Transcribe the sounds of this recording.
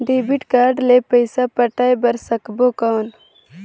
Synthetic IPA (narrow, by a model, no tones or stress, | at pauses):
ɖeːbiʈkaːɾɖlepəjsapəʈaːjbɐɾsɐkbokaːn